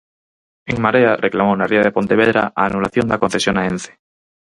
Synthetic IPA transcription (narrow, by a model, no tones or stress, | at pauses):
eŋmaɾearʔeklamownariaðepo̞nt̪eβ̞eðɾa̰ʔaːnulaθjond̪akõn̟θesjonaenθe̥